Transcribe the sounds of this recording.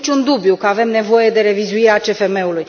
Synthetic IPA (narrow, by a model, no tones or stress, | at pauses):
t͡ʃʲund̪ubjukəave̞mne̞vo̞je̞d̪e̞ɾe̞vizuiɾeat͡ʃe̞fe̞me̞uluj